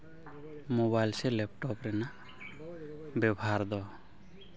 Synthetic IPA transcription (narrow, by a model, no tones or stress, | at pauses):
moβajlsɛlɛp̚ʈɔpɾɛna | bɛbɦaɾd̪ɔ